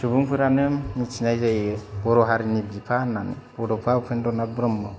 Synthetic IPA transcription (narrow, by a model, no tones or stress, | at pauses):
subuŋpʰɯɾanɯmːit͡ʃʰinajzajbɔɾɔɦaɾinibipʰananbɔdɔpʰaukʰendɔnabɾɔmːɔ